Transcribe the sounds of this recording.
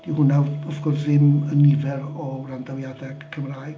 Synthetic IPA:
d̥ihʊnawəfɡ̥ʊrθðɪmənɪvɛɾɔbɾandawjadɛɡ̥kʰəmraːjɡ̥

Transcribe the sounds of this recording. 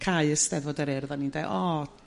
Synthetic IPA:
kʰaɨəstɛðvoːdəɾɛrðanindeʔɔ

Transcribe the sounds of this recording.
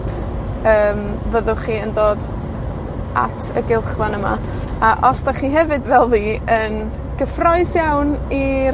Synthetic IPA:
əːm | vəðʊχiːəndoːd | a̰tʰə̰ɡɪlˠχvanəma̰ | aʔɔsdaχiːɦɛvɨdvɛlˠðiːən | ɡ̥əfrɔɨsjawni

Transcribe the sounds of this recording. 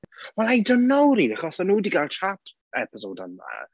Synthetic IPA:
wɛlˠajdənːowɾinaχɔsanuːdiɡalˠt͡ʃʰatʰ | ɛpəsoːdanða̰

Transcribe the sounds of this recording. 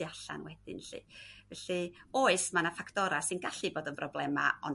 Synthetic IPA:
aɬa̰nwɛd̥ɪ̰nɬḭvɛɬioːɨsmanafakʰtɔɾasɨnɡaɬiboːdənprɔblˠɛma̰ɔ̰n

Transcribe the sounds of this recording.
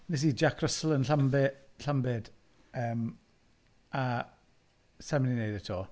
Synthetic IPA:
nɛs̬iːd͡ʒakʰrəslˠənɬambɪɬambɪd | əːm | a | sɛməninejdɛtʰoː

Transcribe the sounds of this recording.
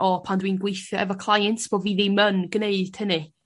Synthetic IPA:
ɔpʰandwiːnɡwejθjɔʔɛ̰vɔkʰlˠajɛntb̥oːviːðimənɡəneɨd̥hənɨ

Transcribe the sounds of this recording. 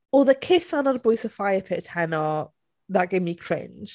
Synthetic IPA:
ɔðəkʰɪsãnəəbɔɪsəfaɪəpʰɪthɛnə | ðəʔ̚ɡ̥emikʰɹ̥ɪ̰̃nʒ̥

